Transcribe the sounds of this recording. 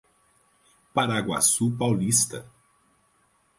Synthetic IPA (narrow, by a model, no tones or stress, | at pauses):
paɾaɡwa̰supawlist̪ɐ̰